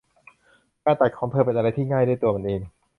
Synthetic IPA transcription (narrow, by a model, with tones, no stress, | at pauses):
kaː˥˩t̪a˨˩kʰɔː˩˦ŋpʰɤː˧pe˧nʔa˧a˧jt̪ʰiː˥˩ŋaː˥˩jdu˥˩jt̪u˧ma˧nʔeː˧ŋ